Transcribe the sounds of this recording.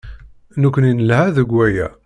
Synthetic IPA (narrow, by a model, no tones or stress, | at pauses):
nukʷːninəlhæðəɡʷːæjæ̰